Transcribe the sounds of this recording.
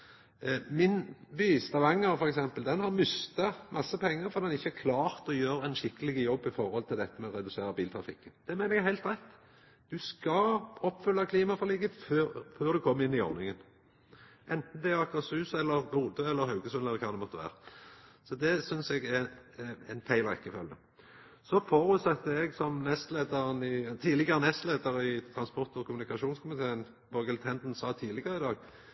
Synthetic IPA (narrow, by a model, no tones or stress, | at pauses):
mɪnbyːst̪ɑʋɑŋːəɾfɔɾɛksɛmpəld̪ɛnhɑɾmʏst̪ɑmʔɑsːəpʰɛŋːəɾfɔɾd̪ɛnɪçːəæɾkʰlɑːʁt̪ɔjøːɾænʃɪkːəlɪɡəjɔbːɪfɔɾhɔlt̪ʰɪld̪ɛt̪ːəmɛɔɾɛd̪ʉseːɾəbiːlt̪ʰɾɑfɪ̰kːənd̪̥ɛmɛɪnəɛɡæhæɪlt̪ɾæɪt̪ | d̪̥ʉskɑɔpːfʏlːɑkʰliːmɑfɔʁliːɡəføːɾføːɾd̪ʉkʰɔmːəɪnːɪɔ̰ʁnɪŋən | ʔɛnt̪n̩d̪ɛʁɑkːɑt̪sʉːsɛlːəʁbuːd̪əɛlːəɾhɑʉɡəsʉnɛlːəkʰɑːd̪ɛmɔt̪ːəʋæ̰ːʁəsɔd̪ɛsʏnsɛɡɛ | ɛnfæɪlʁɛ̰kːəfœljə̰ | sɔfɔɾʉt̪sɛt̪ːəɛɡsɔmnɛst̪leːd̪ɑʁənɪt̪ʰiːlɪɡəʁənɛst̪leːd̪əʁɪt̪ʰɾɑnspɔʁt̪ɔkʰʊmʉnɪkɑʃuːnskʰʊmɪt̪ʰeːən | b̥ɔɡəlt̪ʰɛnd̪n̩sɑːt̪ʰiːlɪɡəʁəɪd̪ɑːɡ